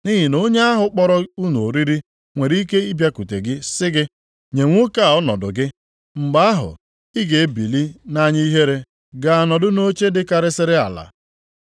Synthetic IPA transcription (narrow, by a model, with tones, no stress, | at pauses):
ni˦ɦi˨no˦ɲe˦a˦ɦʊ˦k͡pɔ˦ɾɔ˦u˦no˨ɾi˦ɾi˦ | ŋʷe˨ɾi˦ke˦i˦bja˦ku˨te˨ɡɪ˦sɪ˦ɡɪ˦ | ɲe˨ŋʷʊ˦ka˦˨ɔ˦nɔ̰˨dʊ̰˨ɡɪ˦ | ŋ͡m̩˨ɡ͡ba˦a˦ɦʊ̰˨ | i˦ɡe˨˦bi˨li˦na˦ɲɪ˦i˦ɦe˦ɾe˦ | ɡa˨a˨nɔ˨dʊ˦no˦t͡ʃe˦dɪ˦ka˨ɾɪ˦sɪ˦ɾɪ˦a̰˨la̰˨